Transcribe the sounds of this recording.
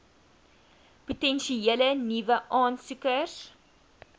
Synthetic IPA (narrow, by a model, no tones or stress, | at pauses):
putɛnʃielənivəʔɑːnsukəs